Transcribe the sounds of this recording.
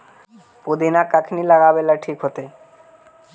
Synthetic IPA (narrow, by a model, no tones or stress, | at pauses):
pud̪inakakʰinilaɡabelaɾʈʰikɦot̪e